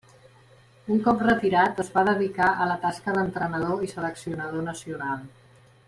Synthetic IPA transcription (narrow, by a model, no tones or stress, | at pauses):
uŋkɔp̚rət̪iɾat̪əzβaðəðikaʔələt̪askəðənt̪ɾənəð̞oisələksiunəðonəsiunalˠ